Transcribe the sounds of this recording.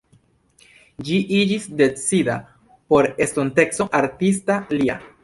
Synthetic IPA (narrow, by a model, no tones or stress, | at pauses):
d͡ʒiʔid͡ʒisde̞t͡sida̰ | po̞ɾe̞stonte̞kso̞ʔaɾtis̬talia̰